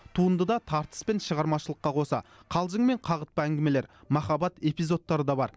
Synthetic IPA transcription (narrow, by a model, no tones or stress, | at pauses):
t̪ʰuənd̪əd̪ɑt̪ʰɑɾt̪ə̥spe̞nʃəʁɑɾmɑʃəlˠəqːɑqʰo̞sɑ̰qʰɑlˠʒəɴme̞ɴqʰɑʁət̪̚pəæŋɡʲɪme̞le̞ɾmɑχɑbɑt̪e̞pijzo̞t̪ːɑɾəd̪ɑbɑɾ